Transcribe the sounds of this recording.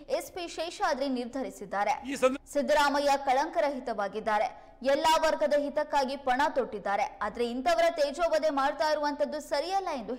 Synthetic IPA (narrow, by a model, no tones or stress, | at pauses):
espiʃeːʃaːd̪ɾeniɾd̪ʱɐɾisid̪ːaːɾe̞sid̪ɾaːmɐjɐkɐɭɐŋkɐɾɐɦit̪ɐʋaːɡid̪ːaːɾe̞ | ɛlːaːʋɐɾɡɐd̪ɐɦit̪ɐkːaːɡipɐɳat̪oʈːid̪ːaːɾe̞aːd̪ɐɾeint̪ɐʋɐɾɐt̪eːd͡ʒoːbɐd̪e̞maːɽt̪aːjiɾuʋɐnt̪ʰɐd̪ːusɐɾijɐlːɐe̞nd̪u